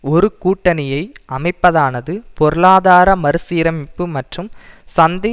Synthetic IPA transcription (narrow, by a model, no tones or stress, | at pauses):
ɔɾɯkuːʈːɐnɪjɐɪʔɐmɐɪpːɐðaːnɐðɯpɔɾɯlaːðaːɾɐmɐɾɯsiːɾɐmɪpːɯmɐʈrɯmsɐnd̪ɪ